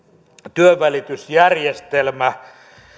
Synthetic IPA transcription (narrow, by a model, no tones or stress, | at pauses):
t̪yøʋælit̪ysjærjest̪elmæ